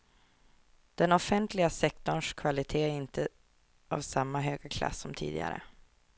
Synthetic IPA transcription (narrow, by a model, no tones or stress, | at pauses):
d̪̥ɛnɔfɛnt̪ʰlɪɡasɛk̚t̪ɔɳʂkʰvalɪt̪ʰeːæɾɪnt̪ʰə | a̰vsamːaɦøːɡakʰla̰sːɔmt̪ʰḭːd̪ɪ̰ɡa̰ɾə̰